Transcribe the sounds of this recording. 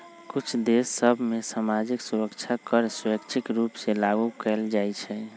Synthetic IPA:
kut͡ʃʰd̪esːəbʱmesamad͡ʒiksuɾəkt͡ʃʰakəɾsəkt͡ʃʰikɾupselaɡukɛld͡ʒajt͡ʃʰɛ

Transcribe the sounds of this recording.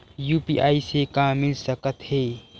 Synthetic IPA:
juːpḭʔa̰ːisekãːɪlsəkət̪heː

